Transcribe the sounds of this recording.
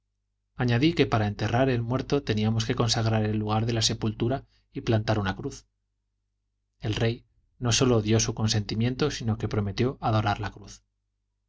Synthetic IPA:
aɲaðike̞paɾae̞nt̪eraɾe̞lmwe̞ɾt̪o̞t̪e̞niamo̞ske̞ko̞nsaɣ̞ɾaɾe̞lːuɣ̞aɾðe̞lase̞pult̪uɾa | iplant̪aɾunakɾuθ | e̞lre̞j | no̞so̞lo̞ðjo̞suko̞nse̞nt̪imje̞nt̪o̞sino̞ke̞pɾo̞me̞t̪jo̞ʔaðo̞ɾaɾlakɾuθ

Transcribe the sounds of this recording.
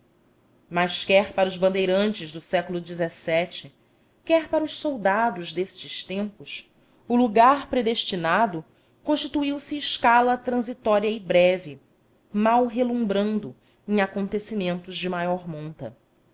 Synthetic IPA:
majʃkɛɾpaɾɐʊzbɐ̃nd̪ejɾɐ̃nt͡ʃɪzd̪ʊsɛkʊlʊd͡ʒizesɛt͡ʃɪ | kɛɾpaɾʊʃsowd̪ad̪ʊʒd̪est͡ʃɪʃt̪ẽmpʊs | ʊluɡaɾpɾed̪eʃt͡ʃinad̪ʊ | kõʃt͡ʃit̪uiwsɪːʃkalɐt̪ɾɐ̃zit̪ɔɾiɐɪbɾɛvɪ | mawɦelũbɾɐ̃nd̪ʊ | ẽj̃akõnt̪esimẽnt̪ʊʒd͡ʒɪmajɔɾmõnt̪ɐ̰

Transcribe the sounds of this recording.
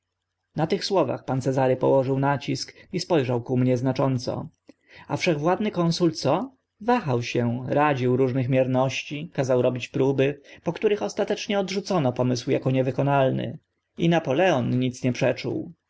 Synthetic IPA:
nat̪ɘxswɔva̰xpant̪sɛzaɾɘpɔ̰wɔʐɘwnat͡ɕiskispɔjʐawkumɲɛznat͡ʂɔnt̪sɔ̰ | afʂɛɣvwad̪nɘkɔnsult̪sɔ | vaxawɕɛ̃ɾad͡ʑiwɾuʐnɘxmʲjɛɾnɔɕt͡ɕikazawɾɔbʲit͡ɕpɾubɘpɔkt̪uɾɘxɔst̪at̪ɛt͡ʂɲɛɔd̪ʐut̪sɔnɔpɔmɘswjakɔɲɛvɘkɔnalnɘ̰ | inapɔlɛɔnɲit̪sɲɛpʂɛt͡ʂṵw

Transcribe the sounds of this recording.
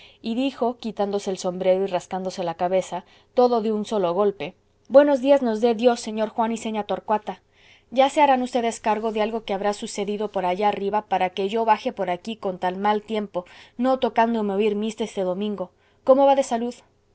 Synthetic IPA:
iðixo̞kit̪and̪o̞se̞ːlso̞mbɾe̞ɾoiraskand̪o̞se̞lakaβe̞sa | t̪o̞ðo̞ðeunso̞lo̞ɣo̞lpe̞ | bwe̞no̞zðiazno̞zðe̞ðjo̞sːe̞ɲo̞ɾxwanise̞ɲat̪o̞ɾkwat̪a | ʝase̞aɾanust̪e̞ðe̞skaɾɣo̞ðealɣo̞ke̞aβɾasuse̞ðiðo̞po̞ɾaʝaːriβapaɾake̞ʝo̞βaxe̞po̞ɾakiko̞nt̪almalt̪je̞mpo̞no̞t̪o̞kand̪o̞meoiɾmist̪est̪e̞ðo̞mĩŋɡo̞ | ko̞mo̞βaðe̞saluð

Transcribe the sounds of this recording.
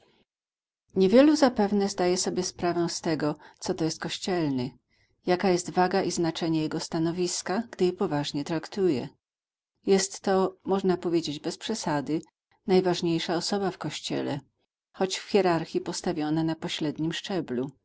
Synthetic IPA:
ɲevʲjɛluzapɛvnɛzd̪ajɛsɔbʲjɛspɾavɛw̃st̪ɛɡɔt̪sɔt̪ɔjɛst̪kɔɕt͡ɕɛlnɘ | jakajɛst̪vaɡaʔiznat͡ʂɛɲɛjɛɡɔst̪anɔvʲiskaɡd̪ɘjɛpɔvaʐɲɛt̪ɾakt̪ujɛ̰ | jɛst̪ːɔmɔʐnapɔvʲjed͡ʑed͡ʑbɛspʂɛsad̪ɘ | najvaʐɲejʂaɔsɔbafkɔɕt͡ɕɛ̰lɛ̰ | xɔt͡ɕfxʲjɛɾaɾxʲipɔst̪avʲjɔnanapɔɕɾɛd̪ɲimʂt͡ʂɛblu

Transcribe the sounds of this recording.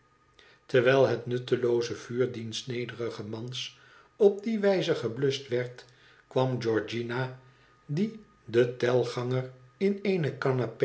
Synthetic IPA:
təɹʋɛːlˠɦətnɵtəlowzəv̥yːɹdinsnejdərəχəmɑns | ɔb̚diʋɛjzəχəblɵstʋɛɹt | kʋɑmd͡ʒɔɹd͡ʒina | di | dətɛlˠχɑŋərɪneːnəkanap

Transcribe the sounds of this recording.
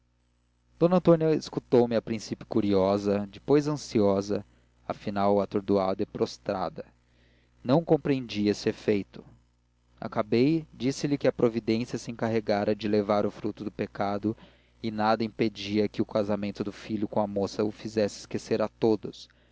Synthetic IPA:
d̪̥õnɐ̃nt̪õnjɐɪskut̪owmɪɐpɾĩsipjʊ̥kuɾiɔzɐd͡ʒɪpojzɐ̃siɔzɐ | ɐ̰finawat̪oɾd̪uad̪ɐɪpɾost̪ɾa̰d̪ɐ | nɐ̃w̃kõpɾiẽnd͡ʒiɐesɪefejt̪ʊ̥ | a̰kabejd͡ʒisɪlɪkɪɐpɾovid̪ẽsiɐsɪẽŋkaɦeɡaɾɐd͡ʒɪlevaɾʊfɾut̪ʊd̪ʊpekad̪ʊ | ɪnad̪ɐĩped͡ʒiɐkɪʊkazamẽnt̪ʊd̪ʊfiʎʊkõɐmosɐʊfizɛsɪ̥skeseɾat̪od̪ʊs

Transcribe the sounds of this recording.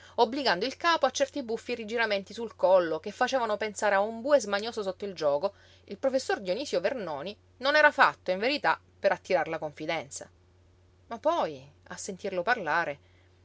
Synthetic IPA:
obːliɡand̪oilkaːpoat͡ʃːɛrt̪ibufːierid͡ʒiɾament̪isulkɔlːokefːat͡ʃeːvanopensaːɾeaumbuːezmaɲoːsosot̪ːoild͡ʒɔːko | ilpɾofesːord̪joniːsjovernɔːni | nonɛːɾafat̪ːoiɱveɾit̪a | peɾat̪ːiɾaɾlakoɱfid̪ɛnt̪sa̰ | mapːɔja̰sːent̪irloparlaːɾe

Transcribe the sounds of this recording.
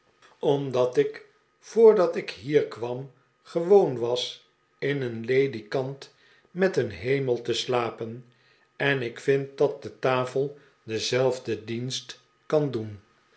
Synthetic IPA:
ɔmdɑtɪk | fʊːɹdɑtɪkɦiːɹkʋɑm | χəʋownʋɑs | ɪnənlejdikɑnt | mɛtənɦejməlˠtəslaːpən | ɛnɪkfɪnt̚dɑt̚dətaːfəlˠ | dəzɛlˠvdədinst | kɑndun

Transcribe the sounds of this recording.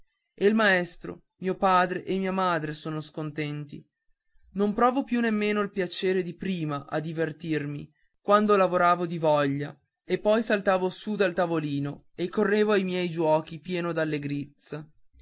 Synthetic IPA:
eilmaest̪ɾo̰ | miːopaːd̪ɾeʔemːiːamaːd̪ɾesoːnoskont̪ɛnt̪ḭ | nompɾɔːvopjunːemːeːnoilpjat͡ʃeːɾed̪ipɾiːmaʔa̰d̪ivert̪irmḭ | kwand̪olavoɾaːvod̪ivɔʎːa | epːɔjsalt̪aːvosud̪alt̪avoliːno | ekːorːeːvoajmjɛjd͡ʒwɔːkipjɛːnod̪alːeɡɾit̪sa

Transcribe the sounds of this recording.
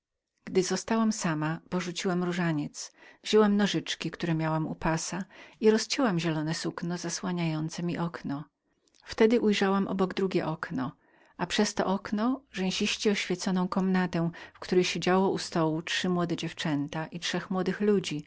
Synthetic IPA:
ɡ̥d̪ɘzɔst̪awamsamapɔʐut͡ɕiwamɾuʐaɲɛt̪svʑɛwamnɔʐɘt͡ʂkʲikt̪uɾɛmʲjawamṵpasaiɾɔst͡ɕɛwamʑɛlɔnɛsuknɔzaswaɲajɔnt̪sɛmʲiʔɔknɔ | ft̪ɛd̪ɘʔujʐawamʔɔ̰bɔɡd̪ɾuɡʲɛʔɔknɔ | apʂɛst̪ɔ̰ʔɔknɔʐɛ̃w̃ɕiɕt͡ɕɛɔɕfʲjɛt̪sɔnɔ̃w̃kɔmnat̪ɛ̃fkt̪uɾɛjɕed͡ʑawɔʔust̪ɔwutʂɘmwɔd̪ɛd͡ʑɛft͡ʂɛnt̪aʔit͡ʂʂɛxmwɔd̪ɘxlud͡ʑi

